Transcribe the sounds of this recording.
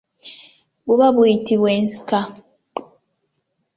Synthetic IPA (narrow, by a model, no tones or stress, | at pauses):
βuβaβwuitiβwe̞ːnsi̥ka